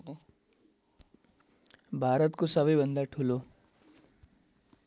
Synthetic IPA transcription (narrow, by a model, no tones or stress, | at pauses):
bʱaɾʌt̪kosʌbʌjbʱʌnd̪aʈʰulo